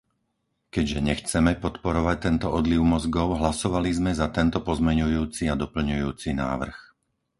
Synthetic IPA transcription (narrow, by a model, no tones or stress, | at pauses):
kɛɟʒɛɲɛxt͡sɛmɛpɔt̪pɔɾɔʋac̚t̪ɛnt̪ɔɔd̪liʊmɔzɡɔʊɦlasɔʋalizmɛzat̪ɛnt̪ɔpɔzmɛɲujuːt͡siad̪ɔpl̩ɲujuːt͡sina̰ːʋr̩x